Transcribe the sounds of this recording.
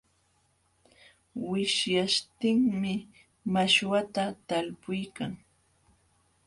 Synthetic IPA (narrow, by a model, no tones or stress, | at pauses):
wɪʃjaʃt̪ɪŋmɪ | maʃwat̪at̪alpʊjkaŋ